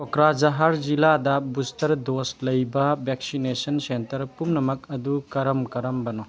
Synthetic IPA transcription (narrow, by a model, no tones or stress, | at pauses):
kɔkɾad͡ʒɐɦaɾd͡ʒiladɐbustɐɾdoslɐjbɐbeksinesɐnsentɐɾpumnɐmɐkɐdukɐɾɐmkɐɾɐmbɐnɔ